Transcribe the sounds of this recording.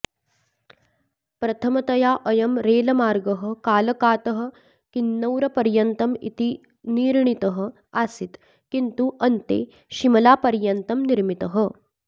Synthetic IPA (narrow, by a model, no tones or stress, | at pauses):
pɾɐt̪ʰɐmɐt̪ɐjaːʔɐjɐmɾeːlɐmaːɾɡɐɦɐ̆kaːlɐkaːt̪ɐɦɐ̆ | kinːɐwɾɐpɐɾjɐnt̪ɐmḭt̪i | niːɾɳit̪ɐɦɐ̆ | aːsit̪ | kint̪uʔɐnt̪ḛː | ʃimɐlaːpɐɾjɐnt̪ɐmniɾmit̪ɐɦɐ